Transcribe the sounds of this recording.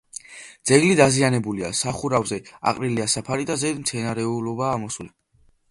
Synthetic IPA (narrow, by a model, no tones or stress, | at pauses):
d̪z̥ɛɡlid̪azianɛbuliasaχuɾavzɛa̰qʼɾiliasapʰaɾid̪azɛd̪mt̪sʰɛnaɾɛulɔbaːmɔsli